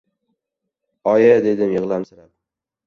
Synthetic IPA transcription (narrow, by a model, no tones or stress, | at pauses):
ɒjad̪e̞d̪ɪmjɨʁlˠamsɪɾap